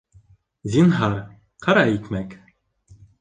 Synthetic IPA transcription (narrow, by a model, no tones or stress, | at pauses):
zʲinɦɑɾ | qʰɑɾɑik̪mæk